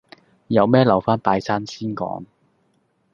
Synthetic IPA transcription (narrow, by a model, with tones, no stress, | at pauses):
jɐ˨˧wmɛː˥lɐ˨˩wfaː˥npaː˧jsaː˥nsiː˥nkɔ̰ː˨˥ŋ